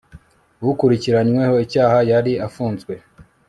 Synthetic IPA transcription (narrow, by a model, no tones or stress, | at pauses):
wukuɾiciɾaɲweho̞icaːhajaɾiafuːnzɡwe̞